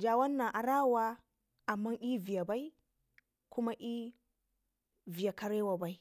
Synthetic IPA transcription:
d͡ʒa˨wa˦nːa˨ʔa˨ɾa˦wa˦ | a˨mːa˦ŋʔi˦vi˨ja˨ba˦i˦ | ku˦ma˦ʔi˦ | vi˨ja˨ka˨ɾe˦wa˨ba˨i˦

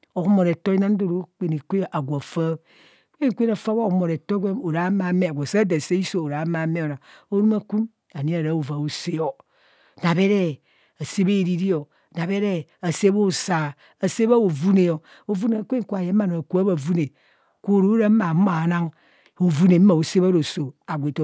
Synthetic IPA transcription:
o˨kmo˨ɾe˨to˦i˦na˦n˦do˦ɾo˦k͡pe˨ne˨kʷe˦˨ʔa˨ɡʷa˨fa˦ | ke˦ne˨kʷe˦na˨fa˦βo˦mo˨ɾe˨to˦ɡʷe˦o˨ɾa˨˦ma˨˦me˦a˨ɡʷa˨sa˦da˨se˦i˦so˦o˨ɾa˨˦ma˨˦me˦o˨ɾa˨o˦ɾu˦ma˦ku˦m | a˨ni˦a˨ɾa˨˦o˨va˨o˨se˦o˨ | na˨βe˦ɾe˦ | a˨se˦be˦˨ɾi˦ɾi˦o˨ | na˨βe˦ɾe˦a˨se˦bo˦˨sa˨ | a˨se˦ba˦o˨vu˦ne˨o˨ | o˨vu˦ne˨kʷe˦ŋ˨ku˦a˨je˨˦ma˦˨no˨a˨ku˦a˦ba˨vu˦ne˨ | kʷo˦˨ɾo˦ɾa˦ma˨˦ma˨na˦ŋ | o˨vu˦ne˨m̩˦ma˨o˨se˦βa˦ɾo˨so˨a˨ɡʷe˨to˨

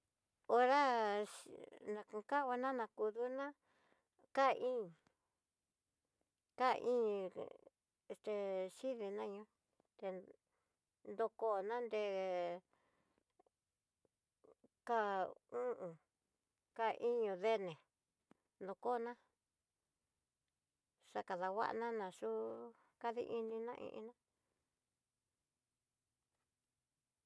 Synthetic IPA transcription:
o˧ɾa˦ | nã˧kũ˧ka˦o˧nã˦nã˧ku˧ðu˦nã˦ | ka˦˧ʔĩ˦˨ | ka̰˦˨˧ʔĩ˦˧ | e˧st̪e˧ʃi˦ði˧nã˦ɲũ˦ | t̪e˧ | nd̪o˧ko˦˨nã˦nd̪e˧ | ka˧˨ũ˦ʔũ˨ | ka˧ʔi˦ɲũ˧ðe˦nẽ˨ | nd̪o˧˨ko˦˧nã˦ | ʂa˧ka˨ða˨wa̰˦ʔnã˦nã˧ʂu˦ | ka˦ðḭ˦ʔi˧nĩ˧nã̰˦ʔḭ̃˧ʔḭ˧nã˦

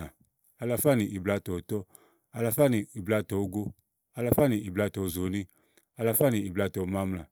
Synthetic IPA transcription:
a˨ | a˨˧la˧˨fa˦˨ni˨ʔi˨bla˧˨tɔ˨tɔ˦ | a˧la˧fa˦ni˨i˨bla˧˨tɔ˨u˦ɡo˦ | a˧la˨fa˦ni˨ʔi˨bla˧˨tɔ˨˦˨zo˨˦nĩ˦ | a˧la˧fa˦ni˨i˨bla˧˨tɔ˨˦ma˦mla˨

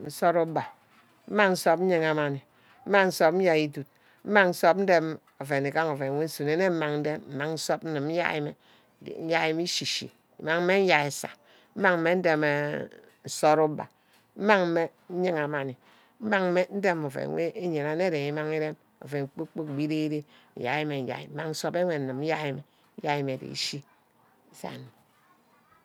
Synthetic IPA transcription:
n̩˦so˦ɾu˦ba˨ | m̩˦ma˦ŋn̩˦so˦pn̩˦ɲi˦ŋa˨ma˨ni˨ | m̩˦ma˦ŋn̩˦so˦pn̩˦ja˦i˦tu˨t̚ | m̩˦ma˦ŋn̩˦so˦p̚n̩˦de˦m | o˨fe˨ni˨ka˦ŋo˨fe˨˦we˦n̩˦su˨ne˨˦ne˦m̩˦ma˨ŋn̩˦de˦mm̩˨ma˨ŋn̩˦so˦pn̩˦nɨ˨m˦n̩˦ja̰˦ḭ˦mḛ˨ | n̩˦ja˦i˦mi˦ʃi˨ʃḭ˨ | ḭ˨ma˦ŋm̩˦me˦n̩˦ja˨e˨sa̰˨ | m̩˦ma˦ŋ̩˦me˦n̩˦de˦me˨ | n̩˨so˦ɾu˦ba̰˨ | m̩˦ma˦ŋ̩˦me˦n̩˦ɲi˦ŋa˨ma˨ni˨ | m̩˦ma˦ŋ˦me˦n̩˦de˦mo˨vḛ˨˦wḛ˦ʔe˦ɲe˨na˦ne˦ɾe˨ŋi˦ma˦ŋi˦ɾe˦m | o̰˨ve˨ŋ˨k͡po˦k͡po˦k̚bi˦ɾe˦i˦ɾe˦n̩˨ja̰˨ji˦me˨n̩˨ja̰˨ḭ˨m̩˦ma˦ŋn̩˦so˦be˦wʷe˨n̩˨nɨ˨m̩˦ja˦ji˦me˨ | n̩˦ja˦ji˨me˨dḛ˨ḭ˦ʃi˦ | sa̰˨ni˨

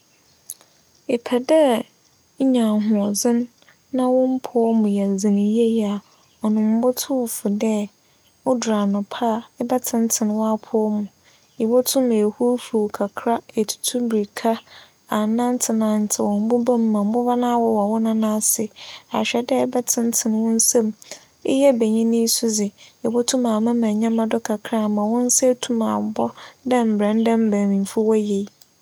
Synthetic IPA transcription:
ɪ˨pʰɛ˨dɛ˦ | ɲã˨ɦʊ̃˨ɔ˨zɪ̃˦nː | ã˦wʊ̃˦m̩˦pʰʊ˦ɔ˦mʊ̃˨jɛ˨zɪ̃˨nĩ˨je˦ja˨ | ɔ˨nʊ̃˨m̩˦bʊ˦tʰʊ˦wfʊ˨dɛ˦ | ʊ˦dɾa˨nʊ̃˨pʰa˦˨ɛ˦bɛ˦tʰɪ˦n̩˦tʰɪ˨n˦wa˦pʰʊ˦ɔ˦mʊ̃˨ | i˨bɔ˦tʰʊ˦me˨hu˦fu˨kʰa˨kʰɾa˦e˨tʰu̥˨tʰu˦bɾi˨kʰa˦ | a˨nã˦n˦tʰɪ˨nã˨n̩˨tʰɪ˨wɔ˨m̩˦bʊ˦bã˦m̩˦mã˨m̩˨bʊ˦va˦nã˦wɔ˦wɔ˨wʊ˦nã˦nã˦˨sɪ˨a˨ɕᶣɛ˦dɛ˦bɛ˦tʰɪ̃˦n˦tʰɪ˨n˨wʊ̃˦n̩˦sã˦m | ɪ̰˦jɛ˦be˨ɲĩ˦nĩ˦sʊ˦d͡zɪ˨i˨bɔ˦tʰũ˦mã˨mã˦mã˨ɲã˦mã˦dʊ˦kʰa˨kʰɾa˦˨mã˨wʊ̃˦n̩˦sɛ˦tʰu˦mã̰˨m̩˨bɔ˦dã˦m̩˨bɾɛ̃˨˦n˦dã˦m̩˨bæ̃˨mĩ˨fu˦wɔ˦je˨i˦

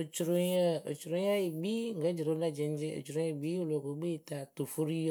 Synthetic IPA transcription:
o˨t͡ʃɾo˨ɲɛ˦o̰˨t͡ʃɾo˨ja˦je˨bi˦ŋ̩˦ɡə˨˦d͡ʒi˨ɾo˨˦la˦˨d͡ʒɛ˨n˦d͡ʒe˦o̰˨t͡ʃɾõ˨˦ẽ˨bi˦o˦˨lo˨ko˨˦ɡ͡be˦˨t̪a˨t̪o˨fo˦ɾi˦

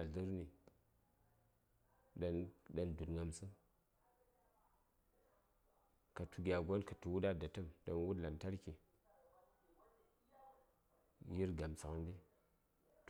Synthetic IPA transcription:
a˨ɮɨ˦ɾni˨ | da˦nɗa˨ndu˨dŋa˨msɨ˦n | ka˨tu˨ɡʲa˨ɡo˦nka˨tu˨wu˦da˦da˨tə˦mdo˨nwu˦dla˨nta˦ɾki˨ | ji˦ɾɡa˨msa˨kndi˦

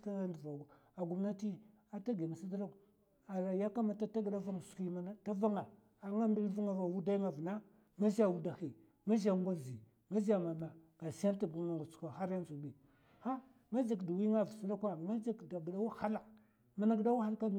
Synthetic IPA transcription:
ta˦ndu˨va˨ɡ | a˨ɡu˨mna˦ti˦ | a˨ta˦ɡi˨ma˨si˦dɾa˦ | a˨ɾa˨ja˦ka˦ma˨ta˦ta˦ɡda˦va˦ŋ˨su̥˨ki˦m˦ta˦va˦ŋa˨ | a˨ŋa˦mbi˦lvu˦ŋa˨a˨wu˦da˦ŋa˨vna˦ | ma˦za˨wu˦da˨xi˨ | ma˦ʒa˦ŋ˦ɡʷa˦zi˨ | ma˦za˨ma˨na˨ɡ̥a˨si˦a˦n˦ta˦˨ɡu˨˦a˨ŋɡu˨t͡skʷa˨ha˦ɾja˦n˦zu˨bi˨ | ha˦ | ma˦d͡ʒi˨kdu˨wi˦ŋa˦˨vsu˦da˦kʷa˦ma˦d͡ʒi˨kda˨ɡda˦wa˦ha˦la˨ | ma˦na˦ɡda˦wa˦xa˦ka˦m˦

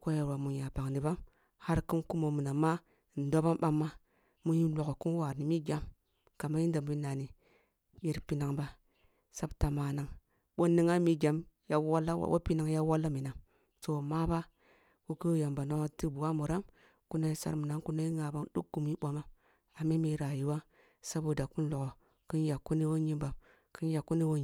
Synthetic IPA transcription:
ko˦ja˨wa˨mu˨ja˨pa˨ŋni˨ba˦m | ha˦ɾki˦nku˦mo˨mu˨na˨ma˦˨ | n̩˨do˦ba˦nɓa˦mːa˦ | mu˦ji˦lʷo˨ko˨ku˦wa˨ɾni˨mi˦ɡʲa˦m | ka˨ma˦ji˦nda˨mu˦na˨ni˨ | je˨ɾpi˦na˨ŋba˦ | sa˦bta˨ma˨na˨˦ŋ | ɓo˦nːi˦ŋa˦mi˦ɡʲa˨mja˦wa˦lːa˦wa̰˨˦wʔa̰˦pi˦na˨˦ŋja˦wa˦lːa˦mi˨na˨ŋ | so˨ma˦ba˦ | ku˦kə˦ja˨mba˨na˦a˦ti˦bu˨wa˦mu˨ɾa˦m | ku˦na˦i˦sa̰˦ɾmu˨na˨˦ŋku˦na˦i˦ŋa˨ba˦ŋdṵ˦kɡu˨mi˦ɓa˨ma˦ | a˨mi˦mi˦ɾa˨ji˨wa˦ | sa˦bo˨da˨ku˦n˦lo˨ko˨ | ki˦nja˨kːu˦ni˦wo˦ɲi˦mba˨m | ki˦n˦ja˨kːu˦ni˦wo˦

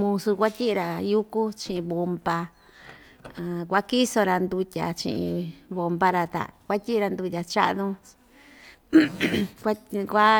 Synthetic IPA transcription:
mũ˧su˧kʷa˦tʲi˦ʔɾa˧ju˦ku˦t͡ʃĩ˧ʔĩ˧βo˧mba˧˨ | kʷa˦ki˦so˧ɾa˧nd̪u˧tʲa̰˨t͡ʃḭ̃˧ʔḭ̃˧βo˧mba˧ɾa˧t̪a̰˨kʷa˦tʲi˦˧a˧nd̪u˧tʲa˧t͡ʃa̰˦ʔnũ˦ | kʷa˦kʷa˦

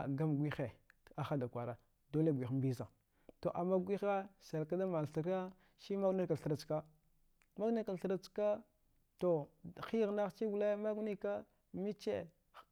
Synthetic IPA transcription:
ɡa˦mɡʷi˦xe˨a˨xa˦da˨kʷa˨ɾa˨ | do˦le˦˨ɡʷi˨xm˦bi˦za˨ | to˨ʔa˨mːa˦ɡʷi˦xa˦sa˨lka˦da˦ma˨lɬi˨ɾa˦ | ʃi˦ma˦ɡni˦ɾka˨ɬə˨ɾa˨t͡ʃka˦ | ma˦ɡna˦ɾka˨ɬə˨ɾa˨t͡ska˦ | to˨xi˦ɣna˦xt͡ʃi˦ɡu˨le˦ma˦ɡni˦ka˦ | mi˦t͡ʃḛ˦˨

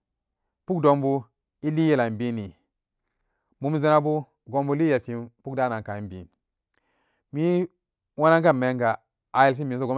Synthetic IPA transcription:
pu˦kdo˨mbu˦ | i˦li˦je˦˨la˨m˨bi˦ni˨ | mu˨m˦zi˦na˦bu˦ | ɡo˦mbu˦li˦je˨lt͡ʃi˨pu˦k̚da˦na˨ŋka˨i˦mbḭ˨n | mi˦ | wa˦na˦ŋ˦ka˦˨mːe˨˦ŋɡa˨ | a˨je˨ls̬i˦mi˨˦so˦˨ɡo˦

